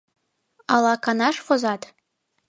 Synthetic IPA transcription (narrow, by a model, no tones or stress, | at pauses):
ɑlˠɑkɑnɑʂfozɑt̪